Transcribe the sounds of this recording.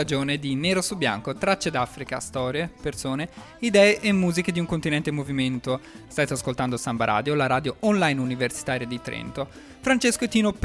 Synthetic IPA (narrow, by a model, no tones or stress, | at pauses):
ad͡ʒoːned̪ineːɾosubːja̰ŋkot̪ɾat͡ʃːed̪afɾika̰st̪ɔːɾjepersoːne | id̪ɛːeʔemːuːziked̪iuŋkont̪inɛnt̪emoviment̪ost̪aːt̪easkolt̪and̪osambaɾʔa̰ːd̪jolaɾaːd̪joʔɔnlajnuniversi̥t̪aːɾjad̪it̪ɾḛnt̪o | fɾant͡ʃeskoet̪iːnop